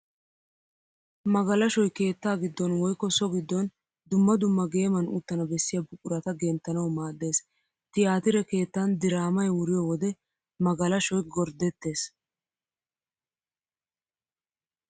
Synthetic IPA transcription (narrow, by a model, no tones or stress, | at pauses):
mɐɡɐlɐʃɔjke̞ːt̪ːaːɡɪd̪ːɔnwɔjkːɔsɔɡɪd̪ːɔn | d̪ʊmːɐd̪ʊmːɐɡe̞ːmɐnṵt̪ːɐnɐbɛsːɪjɐbʊkʼːʊɾɐt̪ɐɡeːnt̪ːɐnɐwmaːd̪ːe̞ːs | t̪ɪjaːt̪ɪɾɛke̞ːt̪ːɐnd̪ɪɾaːmɐjwʊɾɪjɔwɔd̪ɛ | mɐɡɐlɐʃɔjɡɔɾd̪ɛt̪ːe̞ːs